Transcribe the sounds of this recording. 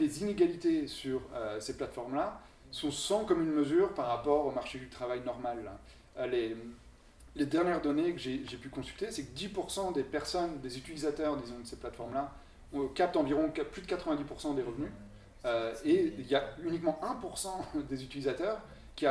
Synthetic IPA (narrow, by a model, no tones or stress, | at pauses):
d̪ezineɡalit̪esyʁøseplat̪fɔʁmla | sɔ̃sɑ̃kɔmynməzyːʁpaʁːapɔʁomaʁʃed̪yt̪χavajnɔʁmalːa̰ | le | led̪ɛʁnjɛʁd̪ɔnekəʒeʒepykɔ̃sy̥lt̪esɛkəd̪ipuʁsɑ̃d̪epɛʁsɔnd̪ezyt̪ilizat̪œʁd̪izɔ̃d̪əseplat̪fɔʁmla | ɔ̃kap̚t̪ɑ̃viʁɔ̃kplyd̪əkat̪χəvɛ̃d̪ipuʁsɑ̃d̪eʁəvny | øeiljaynikmɑ̃ʔɛ̃puʁsɑ̃d̪ezyt̪ilizat̪œːʁ | kʲia